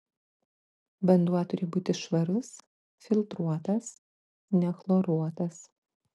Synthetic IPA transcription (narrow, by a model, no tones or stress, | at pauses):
bʲɐnd̪uɔt̪ʊɾʲɪːbuːt̪ʲɪʃʋɐɾʊs | fʲɪlˠʲt̪ɾuɔt̪ɐs | nʲɛxlˠoɾuɔt̪ɐs